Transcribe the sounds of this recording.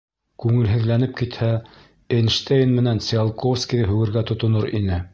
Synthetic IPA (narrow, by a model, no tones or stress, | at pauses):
kʉŋɘ̆lɦɘ̆ðlænɘp̚kit̪hæ | enʃt̪ejnmɘ̆nænsʲɑlˠkofskʲiðɘɦʉɡɘ̆ɾɡæt̪ŏt̪ŏnoɾḭnɘ